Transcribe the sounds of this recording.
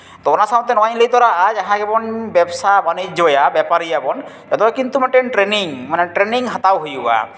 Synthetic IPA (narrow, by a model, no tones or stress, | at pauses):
t̪ɔɔnasaw̃t̪ɛnɔajlejt̪ɔɾaad͡ʒaɦãkɛbɔnbɛbsabanid͡ʒd͡ʒɔjabɛpaɾijabɔnjat̪ɔkint̪umaʈenʈɾeniŋmanɛʈɾeniŋɦat̪awɦojua̰